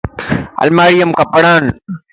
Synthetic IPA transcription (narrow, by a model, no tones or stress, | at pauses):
ɐ̰lmaːɾijəmkɐpəɽaːn